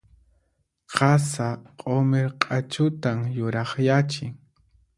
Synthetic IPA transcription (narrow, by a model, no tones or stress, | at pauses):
qʰɑsaqʼomeɾqʼat͡ʃʊt̪amjʊɾɑχjat͡ʃɪŋ